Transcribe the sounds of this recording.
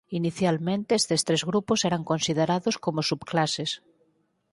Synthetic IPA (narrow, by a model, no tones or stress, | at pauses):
iniθjalmẽnt̪eest̪est̪ɾezɣɾuposeɾaŋkonsið̞eɾaðoskomosupklases